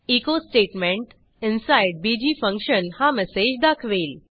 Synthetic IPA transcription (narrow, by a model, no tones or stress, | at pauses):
ikosʈeʈmẽɳʈ | ɪnsajɖ̚bid͡ʑiːfə̃ŋkɕənhamɛsed͡ʑd̪akʰʋeːl